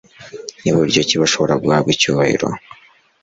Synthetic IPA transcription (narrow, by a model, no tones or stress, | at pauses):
niβuɾɟociβaʃo̞βoɾaɡɡwaːbɡicuːβahḭɾo̞̰